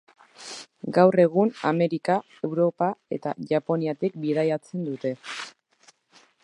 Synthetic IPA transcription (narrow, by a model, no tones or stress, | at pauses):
ɡawre̞ɣ̞una̰me̞ɾika | e̞wɾo̞pae̞̰t̪a̰ʝapo̞niat̪ik̚biðajat͡se̞nd̪ut̪e̞